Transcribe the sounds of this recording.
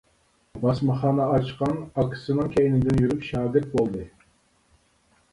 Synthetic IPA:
bɑsmɑχɑːnɑɑt͡ʃqɑnɑkʰʲːsɨnɨŋkʲʰɛjnɪd̪ɪnjyɾypʃɑːɡʲɪɾt̪̚bolˠd̪ɨ

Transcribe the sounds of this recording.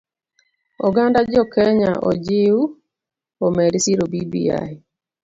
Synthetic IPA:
ɔɡandad͡ʒɔkɛɲaʔɔ̰d͡ʒɪu | omɛɾisiɾobibḭja̰ɪ

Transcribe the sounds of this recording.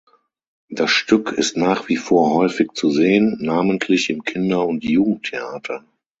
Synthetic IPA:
d̥asʃtʏkʰɪ̰stnaːχv̥ifoːɐhɔʏfɪkt͡suzeːənːaːməntʰlɪçɪmkʰɪndɐʊntjuːɡŋ̩tʰeaːtʰɐ

